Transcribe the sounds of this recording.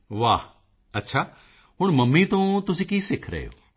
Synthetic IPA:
ʋaː | ɐtːʃʰa | ɦʊɽ̃mɐmːit̪õt̪ʊsĩːkisɪkʰɾɐ̰ɦḛo̰ː

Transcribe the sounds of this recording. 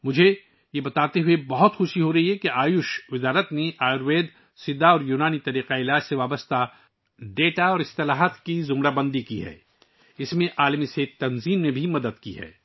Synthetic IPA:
mʊd͡ʒʱe | jebɐt̪aːt̪eɦʊebɐɦʊt̪xʊʃiɦoɾɐɦiɦɛkeʔaːjʊʃʋɪzaːɾət̪neʔaːjɾʋeːd̪ | sɪd̪ːaɔːɾjuːnaːnit̪ɐɾiːqaɪlaːd͡ʒseʋaːbəst̪a | ɖeːʈaɔːɾɪst̪ɪlaːɦət̪kizʊmɾabɐ̃nd̪ikiɦɛ̰ː | ɪsmẽʔaːlmiseːtt̪ːɐnziːmnẽbʱimɐd̪əd̪kḭɦɛ̰ː

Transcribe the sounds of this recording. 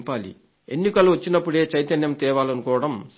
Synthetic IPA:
paːlḭ | enːikɐluʋɐt͡ʃːinɐpːuɽe̞ːt͡ʃɐjt̪ɐnjɐmt̪ɛːʋaːlɐnukɔːʋɐɽɐms

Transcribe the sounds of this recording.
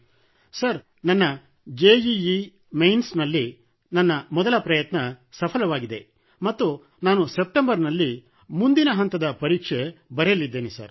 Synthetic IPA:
sɐɾ | nɐnːɐ | d͡ʒeːd͡ʒii | mejnsnɐlːi | nɐnːɐmɔd̪ɐlɐpɾɐjɐt̪nɐsɐpʰɐlɐʋaːɡid̪e̞ | mɐt̪ːu | naːnusep̚ʈembɐɾnɐlːi | mund̪inɐɦɐnt̪ɐd̪ɐpɐɾiːkʂebɐɾejɐlːid̪ːeːnesɐ̰ɾ

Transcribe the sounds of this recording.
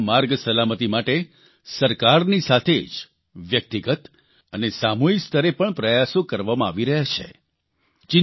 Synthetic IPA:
maɾɡsəlamət̪imaʈe | səɾkaɾnisat̪ʰed͡ʒ | ʋjək̚t̪iɡət̪ | ənesamuikst̪ʰəɾepəɳpɾəjasõkəɾʋamãaʋiɾəɦjat͡ʃʰḛ | t͡ʃɪ

